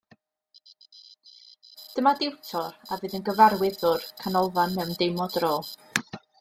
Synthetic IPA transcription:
d̥əmadɪwtʰɔɾavɨːðənɡəvaɾwɪðʊrkʰanɔlˠvanmɛwndejmɔdroːlˠ

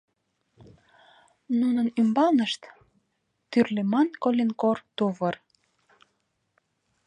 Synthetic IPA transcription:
nunənymbɑlnəʃt̪ | t̪yrlemɑnkolʲenkort̪uβər

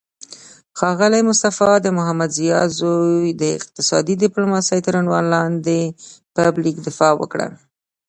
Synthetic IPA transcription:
xɑɣəlamʊst̪afɑd̪əmʊɦamːad̪zijɑzojd̪əɪ̰q̚t̪ɪsɑ̰d̪id̪ɪplomɑsəjt̪əɾaɳwɑ̰nlɑnd̪epablikd̪ɪfɑwə̰kɽə̰

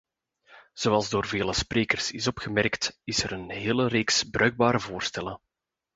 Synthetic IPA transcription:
z̥oːwɑlˠzdoːrveːləspreːkərsɪsɔpxəmɛrktɪsəɾənɦeːləreːksbrœɥɡ̚baːɾəvoːrstɛlə

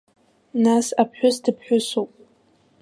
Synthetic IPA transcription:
nasapʰħʷᶣʊsdɨpʰħʷᶣʊsowpʼ

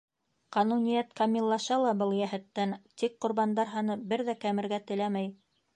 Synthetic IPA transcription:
qɑnunʲijæt̪kɑmʲilˠːɑʃɑlˠɑbɤlˠjæhɘ̆t̪ːænt̪ik̚qŏɾβɑnd̪ɑɾɦɑnɤbɘɾðækæmɘ̆ɾɡæt̪ɘ̆læmæj

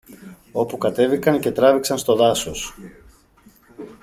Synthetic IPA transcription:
o̞pukɐt̪e̞vikɐnce̞t̪ɾɐviksɐnst̪o̞ðɐso̞s

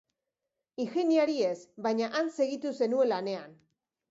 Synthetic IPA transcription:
iŋxe̞niaɾie̞sβajɲaʔanse̞ɣit̪use̞nue̞nlane̞an

